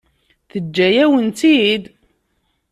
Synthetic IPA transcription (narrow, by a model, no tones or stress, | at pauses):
θəd͡ʒːæjæwənt̪id̪